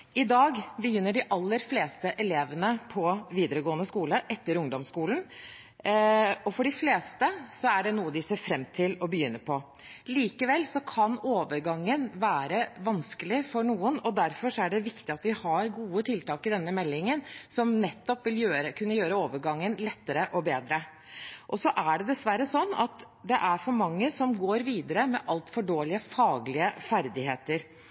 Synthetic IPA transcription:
ɪd̪ɑːɡbəjʏnːəɖɪʔɑlːəɾfleːst̪əʔɛleːʋənəpʰɔʋiːd̪əɾəɡoːənəskuːləʔɛt̪ːəɾʊŋd̪ɔmskuːln | ɔfɔɖɪfleːst̪əsɔæɖɛnuːəd̪ɪseːɾfɾɛmt̪ʰɪlɔbəjʏnːəɾpʰɔ | liːkəʋɛlːsɔkʰɑnoːʋəɾɡɑŋːənʋæːɾəʋɑnskəlɪfɔɳuːənɔd̪æɾfɔʂɔæɖɛʋɪkt̪ɪɑt̪ʋɪhɑɾɡuːət̪ʰɪlt̪ɑːkɪd̪ɛnːəmɛlːɪŋənsɔmnɛt̪ːɔpʋɪljøːɾəkʰʉnːəjøːɾəoːʋəɾɡɑŋːənlɛt̪ːəɾəʔɔbeːd̪ɾə | ʔɔsɔʔæɖɛd̪ɛsʋæɾəsɔnːɑ̰t̪ | d̪ɛʔæɾfɔɾmɑŋːəsɔmɡoːɾʋiːd̪əɾəmɛʔɑlt̪fɔɖoːlɪəfɑːɡlɪəfæɾd̪ɪheːt̪əɾ

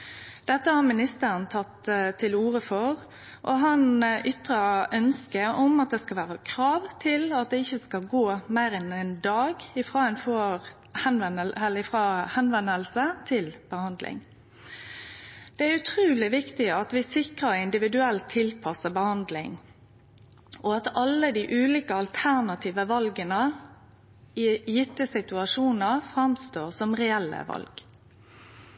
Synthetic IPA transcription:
d̪̥ɛt̪ːəhɑɾmɪnɪst̪əɾənt̪ʰɑt̪t̪ʰːɪluːʁəfɔʁ | ʔɔɦɑnʔʏt̪ʁəʔœnskəʔɔmɑt̪̚d̪ɛːskɑlʋæːʁɑkʰɾɑːʋt̪ʰɪlɑt̪̚d̪ɛɪçːəskɑlɡoːmæɪɾɛnɛnd̪ɑːɡɪfʁɑːɛnfɔ | hɛnɛnəɛlːəɪfʁɑːhɛnʋɛnːəlsət̪ʰɪlb̥əhɑnd̪lʔɪ̰ŋ | d̪̥ɛæʉt̪ʰʁuːlɪʋɪkt̪ɪɑt̪ʋɪsɪkʁəɪnd̪ɪʋɪd̪ʉɛlt̪ʰːɪlpʰɑsəbəhɑnd̪lɪ̰ŋ | ʔɔɑt̪ɑlːəd̪iʔʉːliːkəɑlt̪ʰæʁnɑt̪ʰiːʋəʋɑlɡənə | ɪjɪt̪ːəsɪt̪ʉɑʂuːnəfʁɑmst̪oːʁsɔmʁɛɛlːə̰ʋɑ̰lɡ̥

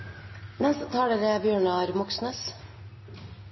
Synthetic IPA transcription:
nɛst̪ət̪ʰɑːɖəɾebjøːɳɑɾmɔksnəs

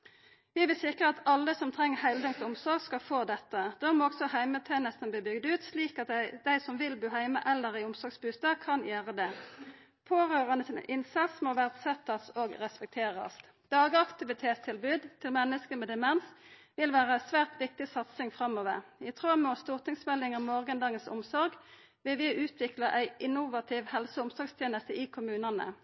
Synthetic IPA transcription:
ʋɪʋɪlsɪkʁəɑt̪ɑlːəsɔmt̪ʰʁɛŋːəhæɪld̪əŋt̪ʊmsɔʁɡskɑfoːd̪ɛt̪ːəd̪̥øːmoːɔɡsɔhæɪmət̪ʰɑːnɛst̪ənb̪iːbʏɡd̪ʉːt̪sliːkɑt̪d̪æɪsɔmʋɪlbʉːɦæɪmə̰ʔɛlːəʁɪʊmsɔʁɡsbʉːst̪ɑkʰɑnjæːʁəd̪ɛ | pʰoːʁøːʁənəsɪnə̰ʔɪnsɑt̪smoːʋæʁd̪sɛt̪ːɑsoːɡʁɛspɛk̚t̪ʰeːʁɑ̰s | d̪̥ɑːɡəɑkt̪ɪʋɪt̪ʰeːt̪st̪ʰɪlbʉːd̪t̪ʰɪlmɛnːəskəmɛd̪ɛmɛnsʋɪlʋæːʁəsʋæːʁt̪ʋɪk̚t̪ɪsɑt̪sɪŋfʁɑmːoːʋə̰ʁɪt̪ʰʁøːmoːst̪ʊʁt̪ɪŋsmɛlːɪŋəmoːʁɡənd̪ɑːɡənsʊ̰msɔʁɡ | ʋɪʋɪʔʉːt̪ʰʋɪklɑʔæɪʔɪnʊʋɑt̪ʰiːʋhɛlsəʊmsɔɡst̪ʰjeːnəst̪əiːkʰʊmʉːnɑnə̰

